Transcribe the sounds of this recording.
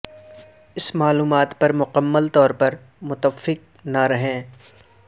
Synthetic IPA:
ɪsmaːluːmaːt̪pɐɾmʊqəmːəlt̪ɔːɾpɐɾ | mʊt̪əfːɪq̚naɾɐɦẽː

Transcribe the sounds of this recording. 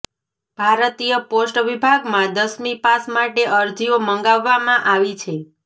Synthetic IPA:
b̥ʱaɾt̪ijəposʈʋibʱaɡmãd̪əsmipasmaʈeʔəɾd͡ʒioməŋɡaʋːamãʔaʋit͡ʃʰe

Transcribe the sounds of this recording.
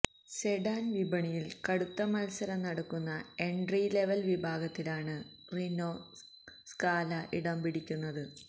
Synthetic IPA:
seɖaːnʋibɐɳijilkɐɽut̪ːɐmɐlsɐɾɐnɐɽɐkːunːɐe̞ɳɖrile̞ʋɐlʋibʱaːɡɐt̪ːilaːɳɨ | rinoː | skaːlɐʔiɽɐmpiɽikʲːunːɐðɨ

